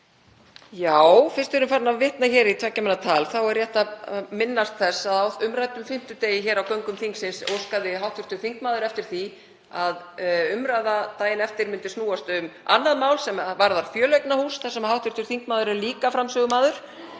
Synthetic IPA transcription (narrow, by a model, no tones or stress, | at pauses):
jaːwfɪr̥st̪ɪɾʏmfaɾnavvɪht̪naçɛːɾit̪ʰɛcːamɛnːat̪ʰaːlθawɛrjɛht̪amɪnːast̪θɛsːaðawʏmɾaːjt̪ʏmfɪm̥t̪ʏt̪eːjɪçɛːɾawkœɥŋkʏmθiŋksɪnso̰wskaðɪɦawht̪ʰʏɾt̪ʏɾ̥θiŋkmaːðʏɾɛft̪ɪɾ̥θi | aðʏmɾajðat̪aːjɪnɛft̪ɪɾmʏnt̪ɪsnuːast̪ʏma̰nːaðmaːwlsɛmvaɾðaɾ̥fjœːlœjknahuːsθɛsɛmhawht̪ʏɾ̥t̪ʏɾ̥θiŋkmaːðʏɾɛɾliːkafɾamsœːɣʏmaːðʏɾ̥